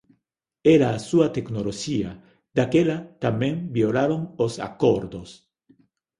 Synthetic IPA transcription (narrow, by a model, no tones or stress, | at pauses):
eɾaːsuat̪eknoloxia | d̪̥akelat̪amjeŋbjolaɾoŋosa̰koɾd̪os